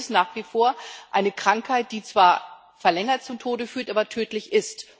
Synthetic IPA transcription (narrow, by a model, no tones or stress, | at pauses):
snaːχv̥ifoːɐʔaɪnəkʁ̥aŋkhaɪt̚d̥iːt͡sv̥aːɐ | fɛɐlɛŋɐt̚t͡sʊmtʰoːdəfyːɐtʔaːbɐtʰøːtlɪçʔɪst